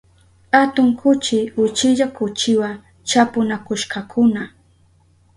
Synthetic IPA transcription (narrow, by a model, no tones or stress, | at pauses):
at̪ʊŋkʰʊt͡ʃɪʊt͡ʃɪʎakʊt͡ʃɪwa | t͡ʃapʊnakʊʃkakʰʊna